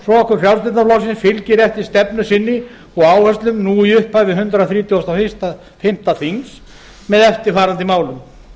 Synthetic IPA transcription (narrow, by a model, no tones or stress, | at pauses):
rɔːkʏr̥jawlst̪ɪt̪naflaːwsɪnfɪlcɪɾɛft̪ɪ̥st̪ɛpnʏsɪnːɪ | ɔɣaːwhœst̪lʏmnuːiʏhphajvɪɦʏnt̪ɾaθɾiːt̪ʰjowst̪afɪst̪a | fɪm̥t̪aθins | mɛðɛft̪ɪɾ̥faːɾant̪ɪmaːwlʏm